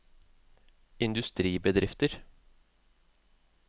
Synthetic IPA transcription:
ɪnd̪ʉst̪ɾiːbəd̪ɾɪft̪əɾ

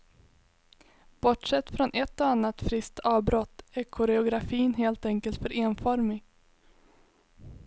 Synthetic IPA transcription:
b̥ɔʈʂɛt̪ːfɾɔnʔɛt̪ːɔanːat̪fɾɪst̪ɑːvbɾɔt̪ːæɾkʰɔɾɛʊɡɾafiːnɦeːlt̪ɛŋkəlt̪fœɾʔeːnfɔɾmɪ

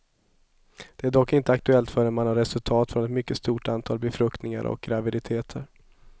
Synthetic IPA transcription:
d̪̥ɛæɖɔkːɪnt̪əak̚t̪ɵɛlt̪fœːɖɛnmanhaɾɛsɵlt̪ʰɑːt̪fɾɔnɛt̪mʏkːəst̪uːʈant̪ʰɑːlbɛfɾɵkt̪nɪŋa̰ɾɔ̰k̚ɡɾavɪd̪ɪt̪ʰeːt̪ʰəɾ

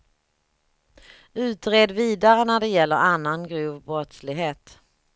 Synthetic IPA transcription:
ʉ̟ːt̪ɾeːd̪viːd̪aɾənæɖɛjɛlːəɾanːanɡɾuːvbɾɔt̪slɪɡɦeːt̪

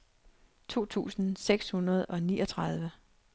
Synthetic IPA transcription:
t͡sʰo̝̰ːt͡sʰṵːsn̩seɡ̥shunɐð̞̩ˠɒ̽nḭːʔɒt͡sʰʁɑð̞ˠʋə

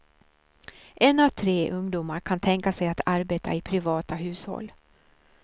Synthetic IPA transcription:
ʔɛnavt̪ʰɾeːʔɵŋd̪uːmaɾkʰant̪ʰɛŋkasɛjat̪ʰaɾbeːt̪ʰa̰ɪpʰɾɪvɑːt̪aɦʉ̟ːshɔ̰lː

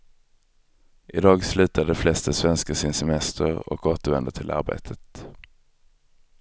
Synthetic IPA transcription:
ʔɪd̪ɑːɡslʉ̟ːt̪ʰaɖɛflɛst̪əsvɛnskəsɪnsɛmɛst̪ʰəɾɔ̰koːt̪əɾvɛnd̪əʈ̪ʰɪlʔa̰ɾbḛːt̪ʰət̪

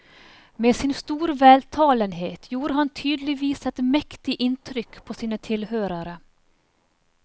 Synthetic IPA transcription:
meːsɪnst̪uːɾʋæːlt̪ʰɑːlənheːt̪ʰjuːɾəhɑnt̪ʰyːd̪l̩ɪʋiːsɛt̪mɛkt̪ɪʔɪnt̪ʰɾʏkpʰoːsiːnət̪ʰɪlhøːɾəɾə

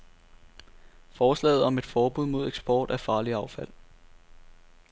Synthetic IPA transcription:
fɒːslɛ̰ːð̩ˠɒ̽me̝d̥fɒːb̥uð̞̰ˠmo̝ð̞ˠeɡ̥sb̥ɒ̰ːd̥æfɑ̈ːliɑ̈ʊfæl̰

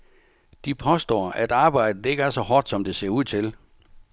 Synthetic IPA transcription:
d̥ipʰɒ̽sd̥ɔ̰ːæd̥ɑ̈ːb̥ɑ̈ɪ̰d̥ð̩ˠe̝ɡ̥əæɐsɒ̽hɒːd̥sɒ̽md̥e̝se̝ɐuð̰ˠt͡sʰe̝l

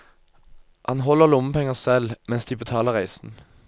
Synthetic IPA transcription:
ʔhɑnɦɔlːəʁlʊməpʰɛŋəsɛlmɛnsd̪iːbət̪ʰɑːləʁæɪsn̩

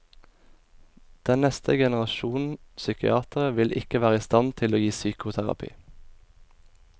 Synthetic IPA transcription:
d̪̥ɛnnɛst̪ʰəɡɛnəʁɑʃuːnn̩sʏkɪ̰ɑːt̪ʁəʋɪlʔɪ̰kəʋæːʁəiːst̪ɑnt̪ʰɪloːjiːsyːkʊt̪ʰæʁɑ̰pʰḭː

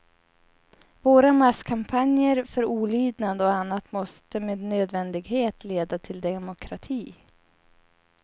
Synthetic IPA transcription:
voːɾamaskʰampʰanjəɾfœɾuːlyːd̪nad̪ɔanːat̪mɔst̪əmeːd̪nøːd̪vɛnd̪ɪɡheːt̪leːd̪at̪ʰɪld̪ɛmʊkʰɾat̪ʰiː

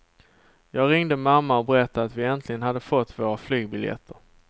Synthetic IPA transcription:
jɑːɡɾɪŋd̪əmamːaɔbəɾɛt̪ːaat̪vɪɛnt̪ʰlɪɡənhad̪ːəfɔt̪ːvoːɾaflyːɡ̚bɪljɛ̰t̪ʰːəɾ

